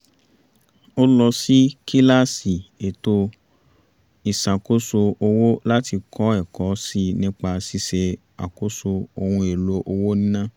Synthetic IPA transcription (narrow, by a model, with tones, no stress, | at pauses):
o˦lɔ˧si˦ki˦la˦si˨e˨to˧ | i˨sa˨ko˦so˧o˧wo˦la˦ti˧kʰɔ˨˦ɛ˦˨kɔ˨˦si˦nĩ˦k͡pa˧si˦se˧ | a̰˨ko˦so˧o˧hũ˧e˨lo˨˦ʔo˧wo˦nĩ˦nã˦